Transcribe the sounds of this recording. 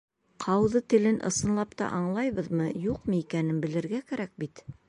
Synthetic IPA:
qʰɑwðɤt̪ɘ̆lɘnʔɤ̰̆sɤ̆nlˠɑpt̪ɑ̰ʔɑɴlˠɑjβɤðmɤjuqmɤikænɘnbɘ̆lɘ̆ɾɡækæɾæk̚bit̪

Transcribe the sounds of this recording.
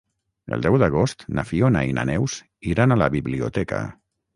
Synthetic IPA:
ə̰lˠd̪ɛwðəɣ̞ost̪nafiona̰ina̰nɛws | iɾanaləβiβliut̪ɛkə̰

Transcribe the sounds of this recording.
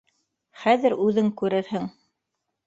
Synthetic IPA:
χæðɘɾʉðɘŋkʉɾɘɾhɘŋ

